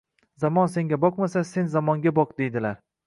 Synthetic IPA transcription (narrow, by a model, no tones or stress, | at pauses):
zamɒnse̞ŋɡʲabɒqmasase̞nzamɒŋɡʲabɒqd̪e̞jd̪ɪlaɾ